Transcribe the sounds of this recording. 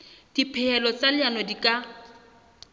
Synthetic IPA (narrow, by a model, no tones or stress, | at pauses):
d̥ipʰɛɛlɔt͡salɪanɔdikʼa